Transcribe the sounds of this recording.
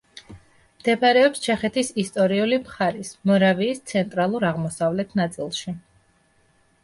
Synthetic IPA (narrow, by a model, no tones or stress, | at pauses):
md̪̥ʰɛpʰaɾɛɔpst͡ʃʰɛχɛt̪ʰisist̪ʼɔɾiulimχaɾismɔɾaviːst̪sʰɛnt̪ʼɾalˠuɾaʁmɔsavlɛt̪ʰnat̪sʼilˠʃi